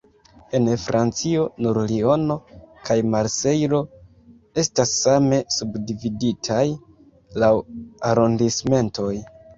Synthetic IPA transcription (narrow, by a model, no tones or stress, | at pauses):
e̞nfɾʔant͡sio̞nuɾlio̞no̞kʰajmaɾse̞jɾo̞ | e̞stasːame̞subdividitʰaj | lawaɾo̞ndisme̞nto̞j